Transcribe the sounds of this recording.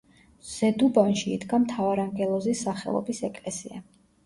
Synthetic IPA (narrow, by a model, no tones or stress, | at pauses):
z̥ɛd̪ubanʃiːd̪ɡamt̪ʰavaɾaŋɡɛlˠɔzisːaχɛ̰lˠɔ̰bisɛkʼlɛsia̰